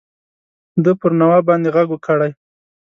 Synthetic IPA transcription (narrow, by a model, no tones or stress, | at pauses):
d̪əpəɾnawɑbɑnd̪eɣaɡwkʰəɽaj